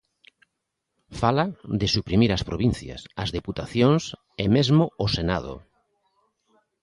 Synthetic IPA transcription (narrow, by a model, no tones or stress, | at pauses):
falaðɪsupɾimiɾɐspɾoβĩn̟θjɐ̰sɐzðeput̪aθjoŋs | emezmʊosena̰ðʊ̰